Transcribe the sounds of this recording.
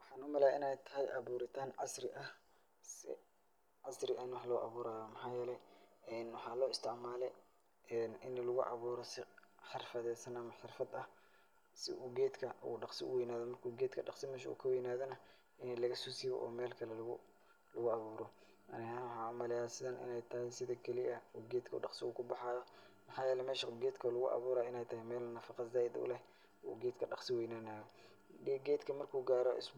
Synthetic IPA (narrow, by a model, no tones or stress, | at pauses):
wɑħɑːnʊmɐlaːɪnɛjt̪ʰɐɦɛjʔɑβuːɾɪt̪ʰaːnʕɑsrɪʔɐh | sɪ̰ | ʕɑsrɪʔɐɪnwɑħlɔʔɑ̰βuːɾaːðɔmɑħaːjɛːlɛɛnwɑħɑːlɔːɪst̪ʰɪʕmaːlɛ | ɛnɪnlʊɣʊ̰ʔɑ̰βuːɾɔsɪħɪrfɐðɛsɐnɐmɐħɪrfɐd̪ɐh | sɪ̰ʔuːɡɛːd̪kʰɐṵɖɑqsɪʔʊ̰wɛjnaːðɔmɐrkʰuːɡɛːd̪kʰɐɖɑqsɪmɛːʃɐṵːkʰɐwɛjnaːðɐnɐ | ɪnɛlɐɣɐsuːsiːβɔ̰ʔɔ̰ːmɛːlkʰɐlɛlɐɣʊ | lʊɣʊɑβuːɾɔ | ɐ̰nɪhaħɑmɐlɪjaːsɪðɐnʔɪ̰nɛjt̪ʰɐɦɪsɪðɐkʰɛlɪʔɐuːɡɛːd̪kʰɐṵːɖɑqsɪʊːkʰʊbɑħɑːðɔ | mɑħɑːjɛːlɛmɛːʃɐɡɛːd̪kʰɐlʊɣʊʔɑ̰βuːɾaːɪnɛjt̪ʰɐɦɛmɛːlnɐfɑqɑzaːɪd̪ʊ̰lɛh | ṵːɡɛːd̪kʰɐɖɑqsɪwɛjnaːnaːjɔ | ɛɡɛːd̪kʰɐmɐrkʰuːɡaːɾɔʔɪ̰s